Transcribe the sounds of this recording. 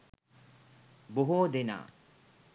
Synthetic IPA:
boɦod̪ena̰ː

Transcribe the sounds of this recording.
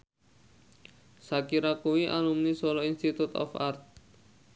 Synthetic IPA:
sakiɾakuwiʔalumnisɔlɔinst̪it̪ut̪ɔ̰fa̰rt̪̚

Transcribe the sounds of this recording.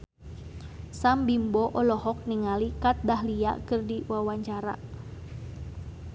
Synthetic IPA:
sambimbɔʔɔlɔɦɔk̚niŋalikat̪̚dahlia̰ʔkɨrdiwawaɲt͡ʃaɾa̰

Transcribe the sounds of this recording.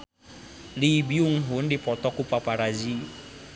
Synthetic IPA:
libiuŋ̩ɦʊn̩dɪpɔt̪ɔkupapaɾazi

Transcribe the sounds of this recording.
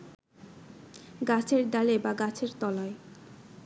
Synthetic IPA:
ɡat͡ɕʰeɾd̪alebaɡat͡ɕʰeɾt̪ɔlae

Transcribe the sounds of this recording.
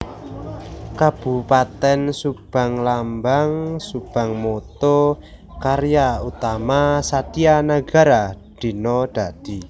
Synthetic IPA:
kab̥upat̪ɛnsub̥a̤ŋlambaŋsub̥a̤ŋmot̪o | kaɾjaut̪amasat̪ianaɡ̥a̤ɾad̪̥i̤nɔd̪̥a̤d̪̥i̤

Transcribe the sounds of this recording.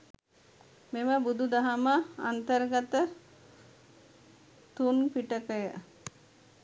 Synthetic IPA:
meməbud̪ud̪aɦaməa̰nt̪əɾɡat̪ə | t̪unpiʈəkəjə

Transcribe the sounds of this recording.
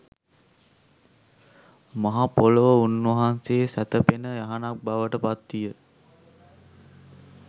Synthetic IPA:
maɦapoləʋəunʋɐɦanseːsæt̪əpenəjaɦanak̚baʋəʈəpat̪ːijə

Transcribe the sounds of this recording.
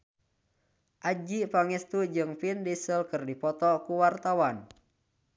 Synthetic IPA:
ʔad͡ʒipaŋɛst̪ud͡ʒɨŋpindisəlkɨrdipɔt̪ɔkuwart̪awan

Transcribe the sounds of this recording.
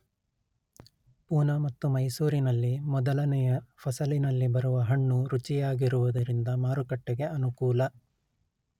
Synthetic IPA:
puːnɐmɐt̪ːumɐjsuːɾinɐlːimɔd̪ɐlɐnɛjɐpʰɐsɐlinɐlːibɐɾuʋɐɦɐɳːuɾut͡ʃijaːɡiɾuʋud̪ɐɾind̪ɐmaːɾukɐʈːeɡe̞ɐnukuːlɐ

